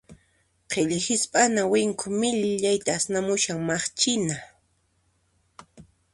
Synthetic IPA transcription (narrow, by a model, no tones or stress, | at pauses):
qʰeʎhɪspʼanawɪŋkʰʊmɪʎʎajt̪aːsnamʊʃaŋmaχt͡ʃɪna